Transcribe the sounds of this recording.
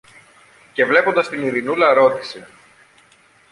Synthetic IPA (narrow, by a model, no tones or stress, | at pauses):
ce̞vle̞po̞nd̪ɐst̪iniɾinulɐɾo̞t̪i̥se